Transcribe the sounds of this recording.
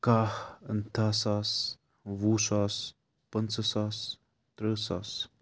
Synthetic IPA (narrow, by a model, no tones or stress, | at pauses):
kahənt̪asas | vusas | pənt͡səsas | t̪ɾəsas